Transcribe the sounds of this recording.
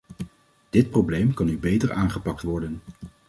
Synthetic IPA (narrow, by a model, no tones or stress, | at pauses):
d̥ɪt̚prowblejmkɑnybejtəɹaːnχəpɑk̚tʋɔɹdən